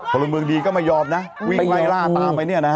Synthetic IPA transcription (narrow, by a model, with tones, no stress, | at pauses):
kʰɔ˨˧˩lo˧ŋmɯ˧əŋdiː˧kɔː˥˩ma˥˩jːɔː˧m̚na˦˥wi˥˩ŋla˧˩˨laː˥˩t̪aː˧mpa˧jnɯ˥˩ɐna˦˥